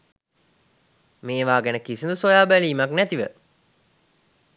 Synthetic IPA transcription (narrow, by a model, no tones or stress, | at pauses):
meːʋaːɡænəkisinusojaːbæliːmaknæt̪iʋə̰